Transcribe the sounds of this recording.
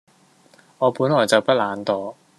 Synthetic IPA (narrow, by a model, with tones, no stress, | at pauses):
ŋɔː˨˧puː˨˥nlɔː˨˩jt͡sɐ˨wpɐ˥t̚laː˨˧nt̪ɔː˨˧